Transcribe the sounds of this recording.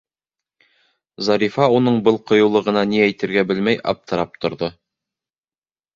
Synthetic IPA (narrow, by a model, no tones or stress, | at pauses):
zɑɾifɑunɤɴbɤlˠqŏjŏwlˠɤ̆ʁɤ̆nɑniæjt̪ɘ̆ɾɡæbɘlmæjʔɑ̰p̚t̪ɤ̆ɾɑp̚t̪ŏɾðo